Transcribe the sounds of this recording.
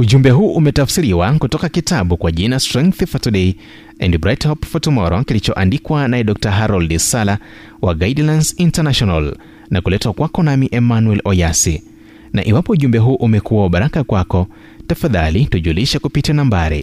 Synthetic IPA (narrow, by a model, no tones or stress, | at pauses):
uʄumbɛɦuːʔumɛtafsiɾiwakutɔkakitaɓukwaʄinastɾɛ̃ŋkθifatuɗɛi | ɛndibɾajthɔpfɔtumɔɾɔkilit͡ʃɔʔandikwanaɛɗɔk̚taɦaɾɔldisala | waɡaidlansintanaʃɔnal | nakulɛtwakwakɔnamiʔɛmanwɛlɔjasḭ | na̰ʔiwapɔuʄumbɛɦuːʔumɛkuwauɓaɾakakwakɔ | tafaðalituʄuliʃɛkupitianambaɾḭ